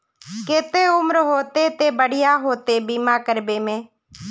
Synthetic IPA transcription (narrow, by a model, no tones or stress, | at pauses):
kɪt̪eːʊmɾɦoːt̪eːt̪eːbəɽɪjaːɦoːt̪eːbiːmaːkəɾbeːmẽː